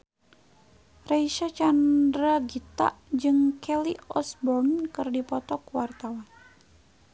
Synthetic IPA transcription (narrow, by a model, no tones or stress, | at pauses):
raiʃat͡ʃandɾaɡit̪a̰ʔd͡ʒɨŋkʰɛliɔsbɔrnkɨrdipɔt̪ɔkwart̪awan